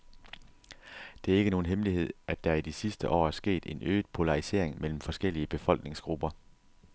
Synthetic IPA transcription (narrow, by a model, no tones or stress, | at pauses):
d̥e̝æɐe̝ɡəno̝ːn̩ɦemliɦe̝ð̞̰ˠʔæd̥ɑ̈id̥isisd̥əʔɒ̰ːæɐsɡ̥e̝̰ːd̥e̝nø̰ːd̥ˠpʰo̝lɑ̈ʁise̝̰ɐ̰eŋmel̰m̩fɒ̽sɡ̥el̰iəb̥e̝fɒ̽l̰ɡ̥ne̝ŋsɡ̥ʁub̥ɐ